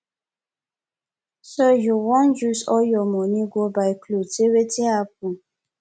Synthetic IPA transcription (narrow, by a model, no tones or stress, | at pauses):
sojuwɔ̃njusɔjɔmɔnĩɡʷobaɪkloteweteap̚ũ